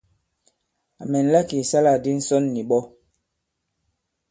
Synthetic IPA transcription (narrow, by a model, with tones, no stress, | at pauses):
a˨mɛ˨n̩˦la˦ki˨sa˦la˨di˦n̩˦sɔ˦nːi˨ɓɔ˦